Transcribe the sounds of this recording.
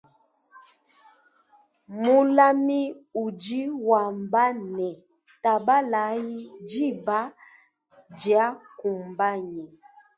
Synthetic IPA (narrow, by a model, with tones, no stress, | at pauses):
mu˦la˦mi˦u˨d͡ʒi˦wa˨mba˦nɛ˨ | ta˨ba˦la˨˦ji˦d͡ʒi˦ba˦ | d͡ʒja˦ku˨mba˦ɲɛ˨